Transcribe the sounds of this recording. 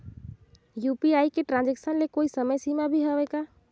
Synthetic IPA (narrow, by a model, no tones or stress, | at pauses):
jupiajkeʈɾãnd͡ʒeksənlekoisəməjsimabʱiɦəbɛka